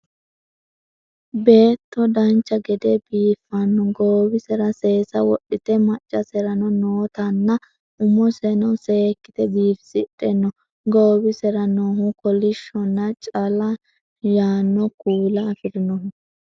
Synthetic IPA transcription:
be̞ːt̪ːɔd̪ɐnt͡ʃːɐɡɛd̪ebiːfːɐnːɔɡoːbɪsɛɾɐse̞ːsɐwɔɗːɪt̪ɛmɐt͡ʃʼːɐsɛɾɐnɔnoːt̪ɐnːɐ | ʔʊmɔsɛnɔwseːkːɪt̪ɛbiːfsɪᶑʼɛnːɔ | ɡoːbɪsɛɾɐnohukɔlɪʃːɔnːɐt͡ʃʼɐlɐ | jaːnːɔkuːlɐːfɪɾɪnɔ

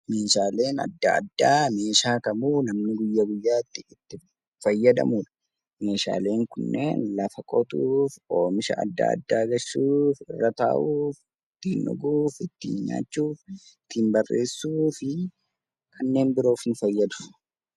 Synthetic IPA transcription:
me̞ːʃaːle̞ːnɐ̰d̪ːɐ̰ɐ̰d̪ːaːme̞ːʃaːkɐmuːnɐmnɪɡʊjːɐɡʊjːaːɪt̪ːɪːt̪ːɪ | fɐjːɐd̪ɐ̰muːᶑɐ̥ | me̞ːʃa̰ːle̞ːŋkʊnːe̞̰ːnlɐfɐkʼɔt̪uːfo̞ːmɪʃɐ̰ʔɐ̰d̪ːa̰ːɐ̰d̪ːaːɡɐʃuːfɪrːɐt̪a̰ːʔuːf | ɪt̪ːiːnʔʊ̰ɡuːfɪt̪ːḭːɲɲa̰ːt͡ʃːuːfɪt̪ːiːmbɐrːʔe̞ːsːuːfɪ | kʰɐnːe̞ːmbɪɾoːfnʊfɐjːɐd̪ʊ̥

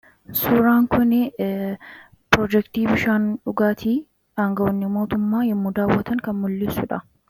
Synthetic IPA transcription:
suːɾaːŋkʊnɪ | pɾoːd͡ʒɛkt̪iːbɪʃaːnᶑʊɡaːt̪ʰiː | aːŋɡɐʔɔnːɪmo̞ːt̪ʊmːaːjɛmːuːd̪aːwːɐt̪ɐŋkɐnmʊlːɪsʊᶑɐ

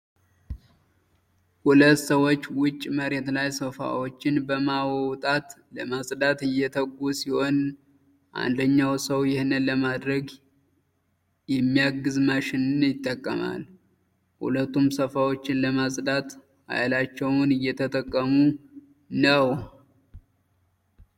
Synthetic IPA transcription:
hulət̪ːsəwot͡ʃːwʊt͡ʃʼːməɾe̞t̪lajsəfa̰wo̞t͡ʃːɪnbəmawowt̪ʼat̪ləmasʼd̪at̪ɨjɛt̪ʰəɡusiho̞n | ʔa̰nd̪əɲːawsəwjɪhnɨnləmad̪ɾəɡ | jɛmːijaɡɨzmaʃɪnɨnjɪt̪ʼːəkʼːə̰ma̰l | hṵlət̪ːumsəfawo̞t͡ʃːɪnləmasʼd̪at̪ | ha̰jlat͡ʃːɛwnɨjːɛt̪ʰət̪ʼəkʼːəmu | nəw

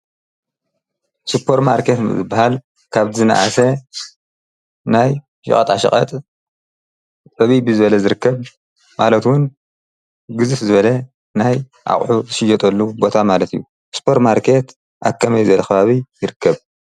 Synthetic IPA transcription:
supʰːo̞ɾt̪maɾkʰet̪zɨbːahal | kʰaβzɨna̰ʔa̰sɐ | naj | ʃɨ̰χʼɐt̪ʼaʃɐ̰χʼɐ̰t̪ʼ | t͡sʼɐβibɨzɨβɐlɐzɨɾɨkːɐβ | malɐt̪wun | ɡɨzɨfzɨβɐlɐ | naj | ʔa̰χʼħuzɨʃɪjːɐt̪ʼɐlːubo̞t̪ʰamalɐt̪ʰijːu | spʰoɾt̪maɾkʰe̞t̪ | ʔa̰kʰːɐmɐjzɐlɐxɐβaβijɪɾɨkːɐβ

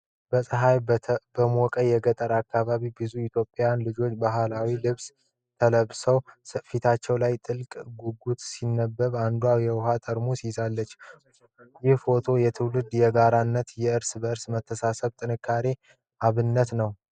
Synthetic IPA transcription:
bəsʼəɦajbəmokʼəjɛɡət̪ʼəɾakːaβaβibɨzuit̪ʰjopʼːjanlɨd͡ʒo̞t͡ʃːbaɦalawilɨβs | t̪ʰələβsəwfit̪ʰat͡ʃːɛwlajt̪ʼɨlkʼɡuɡut̪sinːəbːəβand̪wawjɛwhat̪ʼəɾmusizalːət͡ʃː | jɪhfo̞t̪ʰo̞jɛt̪ʰɨwlɨd̪jɛɡaɾanːət̪jɛɨɾsbəɨɾsmət̪ʰːəsasəβt̪ʼɨnɨkʰːaɾe̞ | ʔaβɨnːət̪nəw

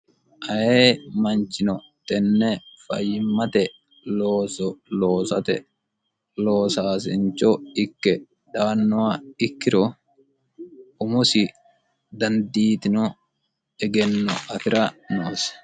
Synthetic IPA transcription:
ʔɐjeːmɐnt͡ʃːɪnɔ | t̪ɛnːɛfɐ̰jːɪmːɐt̪ɛ | loːsɔloːsɐt̪ɛ | loːsaːsɪ̰nt͡ʃːɔɪkːɛ | ᶑ̪aːnːɔwaɪkːɪɾɔ | ʊmʊsɪ | d̪ɐnd̪iːt̪ɪnɔ | ɛɡɛnːɔ̰ɐfɪɾɐnoːs

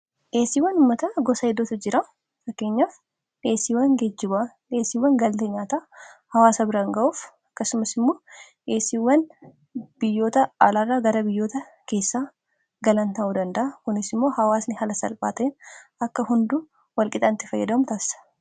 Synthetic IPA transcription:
ʔe̞ːsiːwːɐnʊmːɐt̪ɐɡɔsɐɛd̪ːot̪ʊd͡ʒɪɾɐ | fɐkːe̞ːɲːaːf | ᶑe̞ːsiːwɐŋɡɛd͡ʒːɪba | ʔe̞ːsiːwːɐŋɡɐlt̪eɲaːt̪aːhɐwaːsɐbɪɾaːŋɡɐʔuːfɐkːɐsʊmɐsɪmːo̞ːᶑe̞ːsiwːɐn | b̥ɪjːo̞ːt̪ɐaːlaːrːaːɡɐɾɐbɪjːo̞ːt̪ɐ | ke̞ːsːaː | ɡɐlɐnt̪ɐʔuːd̪ɐnd̪ɐʔɐkʊnɪsɪmːo̞ːhɐwaːsnɪhɐlɐsɐ̰lpʼa̰ːt̪ɐɪnɐkːɐhʊnd̪u | wɐlkʼɪt̪ʼɐnt̪ɪfɐjːɐd̪ɐmʊt̪aːsɐ̥

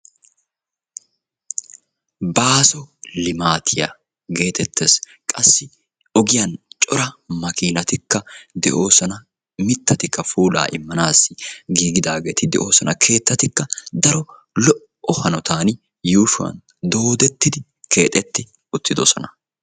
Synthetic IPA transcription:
baːsɔlɪmaːt̪ʰɪja̰ | ɡe̞ːt̪ɛt̪ːeːs | kʼɐsːɪ | ɔɡɪjɐnt͡ʃʼɔɾɐmɐkiːnɐt̪ɪkːɐd̪ɛʔo̞ːsɔnɐ | mɪt̪ːɐt̪ɪkːɐfuːla̰ːʔɪmːɐnaːsːɪɡiːɡɪd̪aːɡe̞ːt̪ɪd̪ɛʔo̞ːsɔnɐ̰kʰe̞ːt̪ːɐt̪ɪkːɐd̪ɐɾɔ | lɔʔ | ɔhɐnɔt̪aːnɪ | juːʃʊɐ̰n | d̪o̞ːd̪ɛt̪ːɪd̪ɪ | kʰe̞ːt̪ʼɛt̪ːɪ | ʊt̪ːɪd̪ɔsɔnɐ

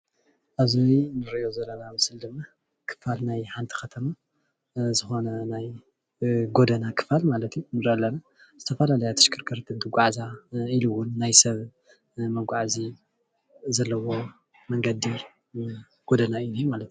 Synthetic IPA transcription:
ʔaβzijnɨɾʔijo̞zɐlːɐnamɨsɨld̪ɨmːa | kʰɨ̥falnajħant̪ʰi̥xɐt̪ʰɐma | zɨxo̞nɐnaj | ɡo̞d̪ɐnakʰɨ̥falmalɐt̪junɨɾɐlːɐna | z̥ɨt̪ʰɐfɐlalɐjat̪ʰɨ̥ʃkʰɨɾkʰɐɾt̪ʰind̪ɨɡʷaʕzailɨwːʊnːajsɐβ | mɐɡʷaʕzi | zɐlːɐwo̞ | mɐŋɡɐd̪i | ɡ̥o̞d̪ɐnaɨjnjumalɐt̪

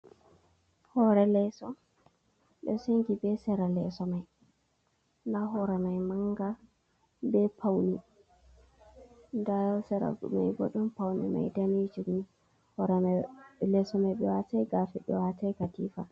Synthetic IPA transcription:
hɔɾɛlɛsɔ | ɗɛseŋɡibɛsɛɾalɛsɔmaj | ndaɦɔɾɛmajmaŋɡa | bɛpʰawni | ndasɛɾa̰ɡ̰ma̰jɡɔɗɔmpawnḭma̰jdanid͡ʒuɡmi | hɔɾɛmalɛsɔmajɓɛwatajɡafɛɓɛwatajkatifa

